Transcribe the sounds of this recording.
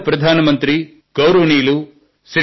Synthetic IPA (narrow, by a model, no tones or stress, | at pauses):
pɾɐd̪ʱaːnɐmɐnt̪ɾi | ɡ̥ɐwɾɐʋniːlu | sɾ